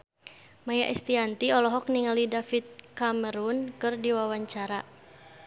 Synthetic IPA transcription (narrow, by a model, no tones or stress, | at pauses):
majaʔɛst̪iant̪iɔlɔɦɔk̚niŋalidafit̪̚kaməɾunkɨrdiwawaɲt͡ʃaɾa